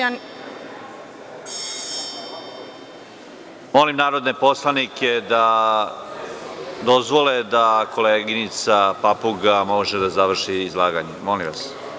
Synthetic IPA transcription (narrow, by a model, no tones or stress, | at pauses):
molimnaːɾod̪ne̞po̞slˠaniked̪a | d̪o̞zʋoled̪akʰo̞leːɡinit̪sapapuɡamoʒed̪azaʋr̩ʃiːzlˠaːɡaɲemolimʋas